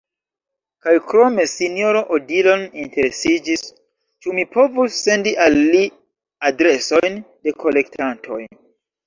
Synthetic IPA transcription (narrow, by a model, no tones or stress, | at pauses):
kajkɾo̞me̞sinioɾoʔodilo̞ninte̞ɾesid͡ʒis | t͡ʃumipo̞vusːe̞ndiʔalːi | adɾe̞so̞jn | de̞kʰo̞le̞ktʰantʰo̰j